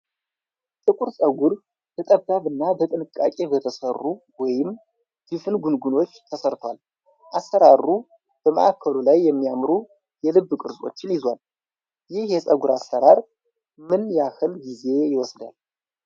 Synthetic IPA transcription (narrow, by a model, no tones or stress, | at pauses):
t̪ʼɨkʷʼuɾsʼəɡʷʊɾ | b̥ʰət̪ʼəd̪aβɨnːabət̪ʼɨnɨkʼːa̰kʼe̞bət̪ʰəsərːuwɔjɪm | d̪̥ɨfɨnɡunɡuno̞t͡ʃːt̪ʰəsəɾt̪ʰwa̰l | ʔasːəɾaru | b̥əmə̰ʔakʰːəlulajːɛmːijamɾu | jɛlɨbːkʼɨɾzʼo̞̰t͡ʃːɪnjɪzwal | jɪhjɛsʼəɡuɾasːəɾaɾ | mɨnjakɨlɡize̞jɪwɔsd̪a̰l